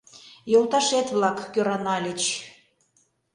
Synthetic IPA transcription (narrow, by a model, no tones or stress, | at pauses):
jolˠt̪ɑʃet̪βlɑkːøɾɑnɑlʲet͡ɕ